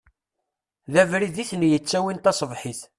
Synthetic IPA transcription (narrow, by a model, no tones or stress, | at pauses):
ðævɾiðiθənjət͡sːæwint̪ɑsˤəvħiθ